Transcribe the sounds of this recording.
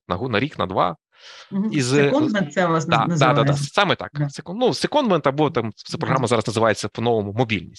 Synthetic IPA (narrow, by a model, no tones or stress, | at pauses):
nɐɦunɐɾʲiknɐ̰d̪ʋɑ̰ | iznd̪mɛnt̪sɛʋlˠasnd̪a̰nd̪ad̪ad̪asɑmɪt̪ɑ̰ksekɔnnusekɔnd̪ment̪ɐbɔt̪ɑmt̪sɛpɾɔɦɾamɐzɑɾɐznɐzɪʋajet͡sʲːɐpɔnɔʋɔmʊmɔbʲilʲnʲisʲ